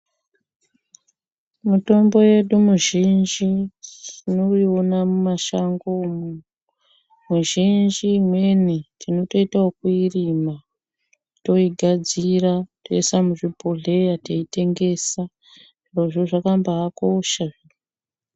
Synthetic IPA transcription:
muto̞mbo̞je̞ɗumuʒind͡ʒi | inoionamumaʃaŋɡomu | muʒind͡ʒiːmwe̞nitino̞to̞itaokuirima | to̞iɡʱad͡zirato̞̰isamuʐipoɮe̞jateite̞ŋɡe̞sa | roʐoʐakambaːko̞ʃaʐi

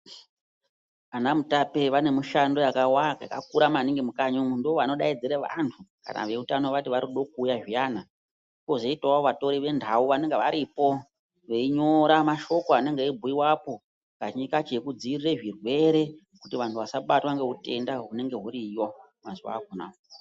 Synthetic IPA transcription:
anamutape̞ʋane̞muʃando̞jakawakakak̚uɾamaneŋɡemukaɲomundooʋano̞ɗaid͡zeɾeʋa̰ntʰuka̰na̰ʋe̞utanoʋatiʋaɾiɗo̞kuːjaʐijaːna | iko̞ʐoitawaoʋato̞ɾiʋe̞ndʱauʋane̞ŋɡeʋaɾipo̞ | ʋeiɲo̞ɾamaʃo̞koane̞ŋɡeibʱuiwapo̞ | kat͡ʃɲikat͡ʃekud͡ziirire̞ʐirwe̞ɾe̞ | kutiʋantʰuʋasaɓatwaŋɡe̞ɦute̞ndaɦune̞ŋɡe̞ɦuɾijwa | mazuwa̰ːɡʱuna̰ːo

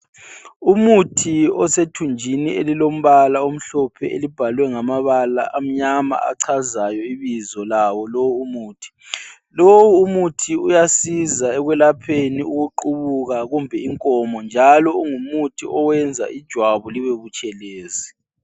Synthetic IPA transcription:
umutʰiɔsetʰund͡ʒʱinielilom̩βalaom̩ɬɔpʰɛʔelib̥ʱalwɛŋamaβala̰ʔam̩ɲama̰a̰ǀʰazajɔiβizɔlawɔlowuumuːtʰi̥ | lowuːmutʰiujasizaɛɣwɛlapʰeniuɣuǃuβuɣaɣumbʱɛiŋkʼɔmɔnd͡ʒʱalɔuŋumutʰiʔɔwɛnd͡zʱa̰ʔid̥ʒ̥ʱwaβuliβeɣut͡ʃʼɛleːzi

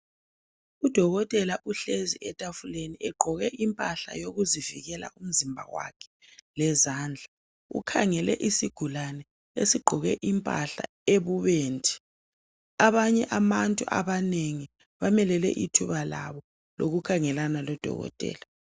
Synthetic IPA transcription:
ud̥ʱɔɣɔtʼɛlaʔuɬeziɛtʼafuleniʔɛɡ͡ǃʱɔɣɛʔimpʼaɬa̰joɣuziviɣɛla̰ʔum̩zimbʱa̰wa̰kʰɛ̥ | lɛzaːnd͡ɮʱa | ṵkʰaŋɛlɛ̰ʔisiɡ̥ʱulanɛ | esiɡ͡ǃʱɔɣɛʔimpʼa̰ɬa̰ | eβuβeːntʼi̥ | aβaɲɛʔamantʼṵʔa̰βaneŋi | βamɛlɛlɛ̰ʔitʰuβala̰βɔ | lo̰ɣukʰaŋɛlanalɔd̥ʱɔ̰ɣɔ̰tʼɛ̰ːla

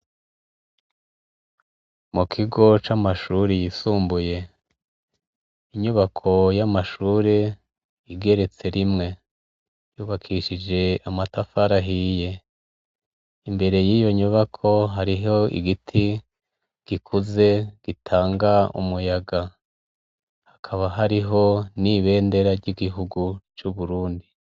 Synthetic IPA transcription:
mukʰiɡo̞t͡ʃamaʃuɾejisuːmbuje̞ | iɲuβakʰo̞jamaʃuːɾe | jiɡe̞ɾe̞t͡se̞ɾimŋe̞ | juːβakʰiʃid͡ʒe̞amatafaɾaɦije̞ | imbe̞ɾe̞jiːjo̞ɲuβakʰo̞ɦaɾiɦo̞ḭɡitʰi | ɡ̥ikʰuze̞ɡ̥itʰaːŋɡaṵmujaɡa | hḁkʰaβaɦaɾiɦo̞niβe̞ːnde̞ɾaɾɟiɡiɦuɡut͡ʃuβuɾuːndi

